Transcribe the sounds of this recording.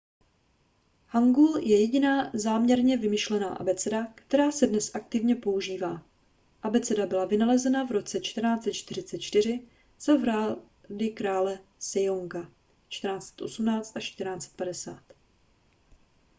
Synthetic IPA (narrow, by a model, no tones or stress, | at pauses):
haŋɡuljɛjɛɟɪnaːzaːmɲɛɾɲɛvɪmɪʃlɛna̰ːʔa̰bɛt͡sɛdakt̪ɛɾaːsɛdnɛsʔakt̪ɪvɲɛpo̞uʒiːvaː | ʔabɛt͡sɛdabɪlavɪnalɛzɛnavɾo̞t͡sɛt͡ʃt̪rnaːt͡sɛt̪t͡ʃt̪ɪɾ̝ɪt͡sɛt̪̚t͡ʃt̪ɪr̝ɪ | z̥ovɾaː | dɪkɾaːlɛsɛjoŋka | t͡ʃt̪ɛɾnaːt͡sɛ̥t̪ʔo̞̰sumnaːt͡st̪ʔaʃt̪ɾrnaːt͡sɛ̥t̪̚padɛsa̰ːt̪